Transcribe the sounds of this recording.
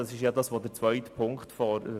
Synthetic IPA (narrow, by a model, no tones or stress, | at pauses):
ɑsɪʃjɑdɑsʋodɛɾt͡sʋœʏtəpʰʊŋktfɔɾ